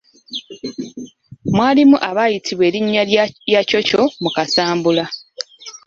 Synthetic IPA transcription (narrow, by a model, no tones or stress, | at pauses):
mwaːlimuʔaβaːjitʰiβwe̞ːliɲːajacoco̞mukasaːmbula